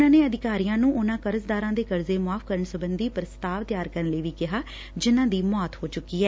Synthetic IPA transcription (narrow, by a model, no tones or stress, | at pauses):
ãːneːəd̪ɪkaːɾiːjãːnũːʔʊnãːkəɾəzd̪aːɾãːd̪eːkəɾzeːmaːpʰkəɾəɳsəbənd̪iːpɾəst̪aːʋt̪ɪjaːɾkəɾəɳləiːʋiːkɪɦaː | d͡ʒɪnãːd̪iːmɔːt̪hoːt͡ʃʊkːiːɛː